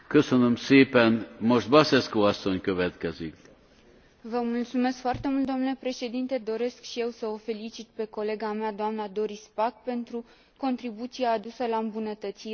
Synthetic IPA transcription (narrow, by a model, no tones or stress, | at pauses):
køsønømseːpɛnmo̞ʃt̪̚bɑsɛskoɒsːo̞ɲkøvɛt̪kɛzik | vəmult̪sume̞skfoart̪e̞mult̪d̪omnulepɾe̞ʃe̞d̪int̪e̞d̪o̞ɾe̞skʃije̞wsəo̞fe̞lit͡ʃit̪̚pe̞ko̞le̞ɡamead̪oamnad̪o̞ɾispakpe̞nt̪ɾu | ko̞nt̪ɾibut̪siaːd̪usəlaɨmbunət̪ət̪si